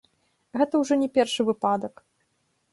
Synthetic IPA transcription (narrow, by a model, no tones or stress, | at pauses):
ɣɛt̪ɐwʐɔnʲɛpʲɛrʂɨvɨpad̪ɐk